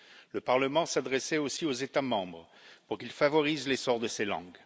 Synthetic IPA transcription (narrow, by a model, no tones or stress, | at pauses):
ləpaʁləmɑ̃sad̪ʁɛsɛosiozet̪amɑ̃bʁ | puʁkilfavɔʁizlesɔʁd̪əselɑ̰̃ɡ